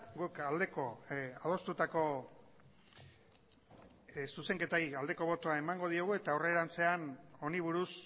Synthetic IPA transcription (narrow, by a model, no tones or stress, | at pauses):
ɡukald̪e̞ko̞að̞o̞st̪ut̪ako̞ | suse̞ŋke̞t̪aiald̪e̞ko̞β̞o̞t̪oaemaŋɡo̞ð̞ioɣue̞t̪aore̞ɾant͡se̞ano̞niβ̞uɾus